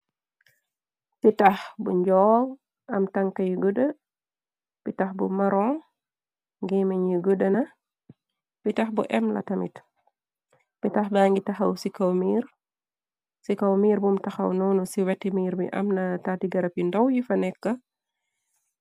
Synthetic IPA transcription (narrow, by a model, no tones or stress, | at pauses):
pitɐxbuɲd͡ʒɔːŋ | ɐmtɐŋkɐjiɡudə | b̥itɐxbumɐɾɔl | ŋɡɛmɐɲiɡudənɐ | b̥itɐxbṵʔɛmlɐ̰tɐmḭt | pitɐxbaŋɡitɐxɐwsikɐwmiːɾ | sikɐwmiːɾbumtɐxɐ̰wnuːnusiwɛtːimiːɾmḭʔɐ̰mnɐtaːtiɡɐɾɐpjindɐwjifɐnɛkːɐ